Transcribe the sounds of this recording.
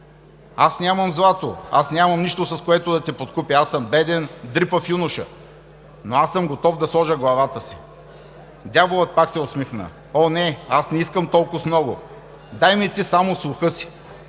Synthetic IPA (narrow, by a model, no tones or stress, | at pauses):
asnʲamɐmzlˠat̪o̰a̰snʲamɐmniʃt̪osɐskoɛt̪ʊd̪ɐt̪ɛpot̪kupʲiasəmbɛd̪ɛnd̪ɾipəfjunʊʃə̰ | noasːəmɡot̪ɔfd̪ɐslˠɔʒəɡlˠɐvat̪əsi | d̪ʲjavolˠət̪̚paksɛosmixnə̰ | ɔnɛasnɛiskəmt̪ɔlˠkʊsmnɔɡʊ | d̪ajmit̪isamoslˠʊxɤsi̥